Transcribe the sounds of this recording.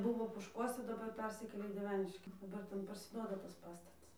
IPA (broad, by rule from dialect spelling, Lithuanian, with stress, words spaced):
ˈbʊʋoː poːʃˈkuɔsʲɛ dɐˈbɐr ˈpʲɛrʲsʲɪkʲeːlʲeː iː dʲiɛˈʋʲæːnʲɪʃʲkʲɪ dɐˈbɐr ˈtʲɛn pɐrʲsʲɪˈduɔdɐ tɐs ˈpɑːstɐtɐs